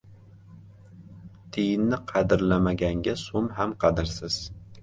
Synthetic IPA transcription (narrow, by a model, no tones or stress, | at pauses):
t̪ʰɪjɪnːɪqʰɑd̪ɪɾlamaɡʲaŋɡʲasʊmɦamqʰɑd̪ɪɾsɪz̥